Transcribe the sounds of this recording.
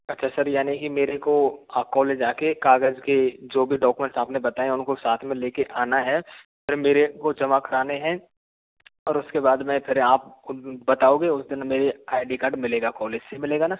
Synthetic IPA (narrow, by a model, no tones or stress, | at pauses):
ɐtːʃʰasɐɾjaːnikimeːɾekoakɔːleːd͡ʒaːkekaːɡəzked͡ʒoːbʱiɖɔːkumɛ̃ɳʈsaːpnebɐt̪aːẽɛʊnkosaːt̪ʰmẽleːkeʔaːnaɦɛː | pʰɪɾmeːɾekod͡ʒɐmakɐɾaːneɦɛ̃ | ɔːɾʊskebaːd̪mɛ̃pʰɪɾaːp̚bɐt̪aːõːɡeʊsd̪ɪnmeːɾeaːɪɖikaːɾɖmɪleːɡakɔːleːd͡ʒsemɪleːɡana